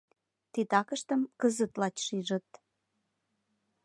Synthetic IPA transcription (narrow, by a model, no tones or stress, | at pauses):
t̪it̪ɑkəʃt̪əmkəzə̆t̪lɑt͡ɕʃiʒə̆t̪̚